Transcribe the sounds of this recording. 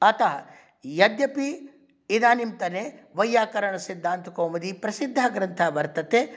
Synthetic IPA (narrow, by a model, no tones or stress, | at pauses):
ɐt̪ɐɦɐ | jɐd̪jɐpiː | d̪aːnimt̪ɐneːʋɐjːaːkɐɾɐɳɐsid̪ʱːaːnt̪ukoːmɐd̪iːpɾɐsid̪ʱːaːɡɾɐnt̪ʰaːʋɐɾt̪ɐt̪eː